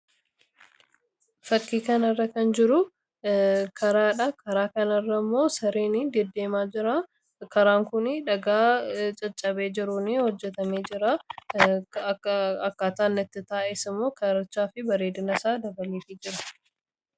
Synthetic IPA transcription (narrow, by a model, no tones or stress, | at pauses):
fɐkːiːkɐnɐrːɐkɐnd͡ʒɪɾʊ | kʰɐɾaːᶑɐkɐɾaːkɐnɐrːɐmːo̞ːsɐɾeːnid̪ɛd̪ːeːmaːd͡ʒɪɾa | kɐɾaːŋkʊnɪᶑɐɡaːt͡ʃʼɐt͡ʃʼːɐbe̞ːd͡ʒɪɾʊnɪhɔd͡ʒːɛt̪ɐmeːd͡ʒɪɾa | ɐkːaːt̪aːnːɐt̪ːɪt̪aːʔɛsɪmːo̞ːkɐɾɐt͡ʃːaːfɪbɐɾeːd̪ɪnɐsaːd̪ɐbɐliːfɪd͡ʒɪɾɐ